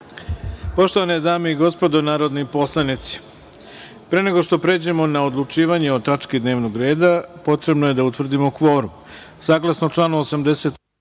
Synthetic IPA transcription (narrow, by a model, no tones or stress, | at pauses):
po̞ʃt̪o̞ʋaned̪aːmeiɡo̞spo̞d̪o̞naːɾod̪nipo̞slˠanit̪si̥ | pɾe̞ne̞ɡo̞ʃt̪o̞pɾe̞ːd͡ʑe̞mo̞naod̪lˠut͡ʃiːʋaɲeo̞t̪at͡ʃkid̪ne̞ːʋnoɡɾe̞ːd̪apo̞t̪ɾe̞bnoje̞d̪aut̪ʋr̩d̪imo̞kʋo̞ːɾu | saːɡlˠasnot͡ʂlˠaːnuosamd̪e̞se̞t̪